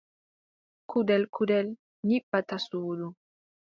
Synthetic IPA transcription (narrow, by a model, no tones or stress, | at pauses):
kudɛlkʰudɛl | ɲibat̪asuːdu